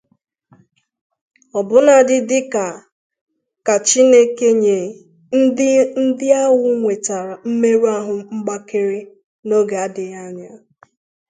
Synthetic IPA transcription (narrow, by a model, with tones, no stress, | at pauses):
ɔ˨bʊ˦na˨dɪ˨dɪ˦ka˨ | ka˨t͡ʃi˦ne˦ke˦ɲe˨ | n̩˦n̩˦dɪ˦a˦wʊ˦ŋʷe˨ta˨ɾa˨m̩˦me˦ɾu˦a˦ɦʊ˨ŋ͡m̩˦ɡ͡ba˦ke˦ɾe˦ | no˦ɡe˨a˦dɪ˨ɣa˦ɲa˦